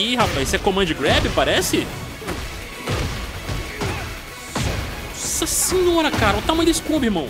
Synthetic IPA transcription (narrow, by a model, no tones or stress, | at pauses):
ihafajsɛkõmɐ̃ʊd͡ʒɪɡɾɛbɪpaɾɛsɪ | sɐsĩɲɔɾɐkaɾɐɛt̪amɐ̃j̃d̪eskubihmɐ̃w̃